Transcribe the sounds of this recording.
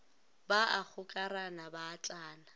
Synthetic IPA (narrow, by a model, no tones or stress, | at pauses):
baʔak͡xʰʊkʼaɾanabaːt͡ɬʼaːna